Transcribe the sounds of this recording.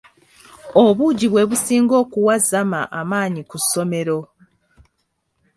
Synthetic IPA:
oβuɟiβwe̞βusiːŋɡo̞ːkuwazama̰ʔamaːɲikusːo̞me̞ɾo̞

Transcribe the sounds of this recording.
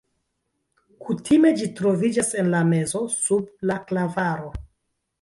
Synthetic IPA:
kutʰime̞d͡ʒitɾo̞vid͡ʒase̞nlame̞zo̞sublaklavaɾo̞

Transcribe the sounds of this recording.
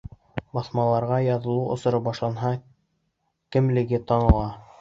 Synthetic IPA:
bɑθmɑlˠɑɾʁɑjɑðɤ̆lˠuʔŏsɤ̆ɾɤbɑʃlˠɑnɦɑ | kɘ̆mlɘ̆ɡɘt̪ɑnɤ̆lˠɑ

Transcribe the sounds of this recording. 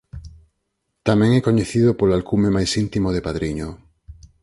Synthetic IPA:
t̪amɛ̃ŋɛkoɲeθiðopolalkumemajsint̪imoð̞epaðɾiɲo

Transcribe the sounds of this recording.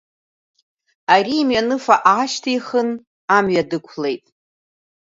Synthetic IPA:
arimɥanɨfaʔaːʃtʰiiχən | amɥadɨkʷʰle̞jtʼ

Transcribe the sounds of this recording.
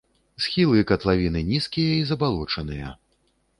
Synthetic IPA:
sxʲilˠɨkɐt̪lˠavʲinɨnʲiskʲijɐizɐbalˠɔt͡ʂɐn̪ɨjɐ̰

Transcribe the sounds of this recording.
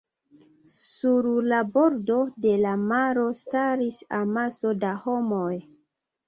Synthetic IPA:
suɾlabo̞ɾdo̞de̞lamaɾo̞staɾisamaso̞daho̞moj

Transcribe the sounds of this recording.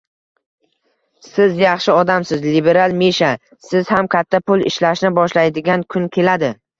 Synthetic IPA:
sɪzjɑχʃɪɒd̪amsɪzlibe̞ɾalˠmeʃa | sɪz̥hamkʲʰat̪ʰːapʊlɪ̰ʃlaʃnɪbɒʃlajd̪ɪɡʲankʰʊnkʲʰe̞lad̪ɪ

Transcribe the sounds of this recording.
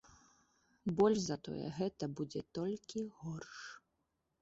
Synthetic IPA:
bɔlʲʂzɐt̪ɔ̰jɛ̰ɣɛt̪ɐbud͡zʲɛt̪ɔlʲkʲiɣɔrʂ

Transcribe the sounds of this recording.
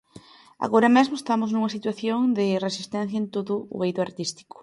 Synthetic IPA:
a̰ɣoɾɐmezmʊest̪amʊznuŋɐsit̪waθjoŋd̪ɪresist̪ɛ̃n̟θjɐent̪oðʊ̰ːβejðʊaɾt̪ist̪i̥kʊ̥

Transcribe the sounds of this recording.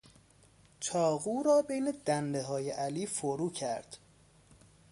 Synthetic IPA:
t͡ʃʰɒːɣuːɾɒːbe̞jne̞d̪̥ænd̪eɦɒːjeʔæliːfoɾuːcʰæɾd̪̥

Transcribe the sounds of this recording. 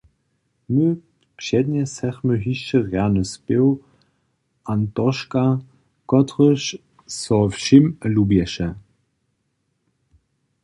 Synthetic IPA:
mø | kʃɛdnʲɛsɛχməɦiʃəʁjaːnəspew | ʔantɔʃka | kɔtʁəʃ | sɔfʃiməlubɛʃə

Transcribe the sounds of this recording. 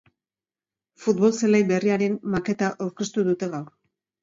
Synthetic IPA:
fut̪̚βo̞lselajbe̞riaɾe̞nmake̞t̪aʔawɾke̞st̪uðut̪e̞ɣawr

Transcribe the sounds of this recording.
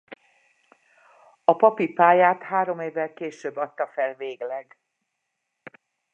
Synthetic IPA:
ɒpɒpipaːjaːt̪haːɾo̞meːvːɛlkeːʃøːbːɒt̪ːɒfɛlveːɡlɛɡ

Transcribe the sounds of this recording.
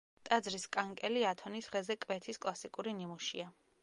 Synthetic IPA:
t̪ʼad̪zɾiskʼaŋkʼɛliat̪ʰɔnisʁɛzɛkʼvɛt̪ʰiskʼlˠasikʼuɾinimuʃḭa

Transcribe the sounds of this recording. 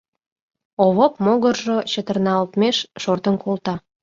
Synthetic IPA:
oβopmoɣərʒot͡ɕət̪ərnɑolt̪meʃʃort̪ənkʰolt̪ɑ

